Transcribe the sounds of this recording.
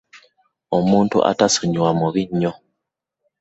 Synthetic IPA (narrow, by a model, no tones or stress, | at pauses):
omuːntṵʔa̰tasuɲwamuβiɲːo